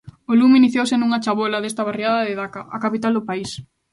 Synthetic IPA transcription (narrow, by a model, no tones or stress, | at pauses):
oluminiθjowsenuŋɐt͡ʃaβolɐðest̪ɐβ̞ariaðɐðeðakɐʔakapit̪ald̪ʊpais